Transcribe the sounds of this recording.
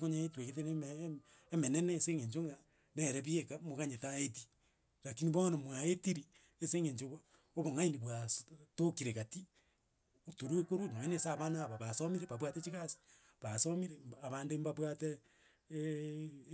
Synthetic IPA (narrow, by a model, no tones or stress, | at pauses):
koɲaetweketenem | emeneneːseŋeɲt͡ʃoŋa | neɾeβiekamoɣaɲetaeti | ɾakiniβonomwaetiɾi | eseŋeɲt͡ʃoβ | oβoŋainiβwastokiɾeɣati | otoɾuekoɾunoenesaβanaːβaβasomiɾeβaβwatet͡ʃiɣasi̥ | βasomiɾemaβaːndembaβwate